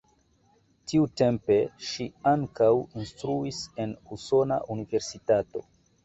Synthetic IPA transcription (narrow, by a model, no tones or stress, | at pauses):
tiute̞mpe̞ʃiaŋkawinstɾuise̞nuso̞na̰ʔunive̞ɾsitato̞̰